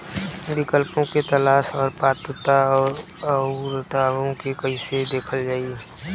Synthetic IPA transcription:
ʋɪkəlpõket̪ɐlaːʃɔːɾpɾaːt̪ɾət̪aɔːɾ | əɾət̪aːʋõkekəɦĩsed̪eːkʰəld͡ʒaːi

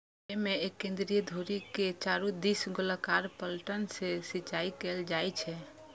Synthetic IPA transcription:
emeekːẽnd̪ɾijəd̪ʱoɾiket͡ʃaɾud̪isɡoləkaɾpəlʈənsesit͡ʃaikeld͡ʒajt͡ʃʰɛ

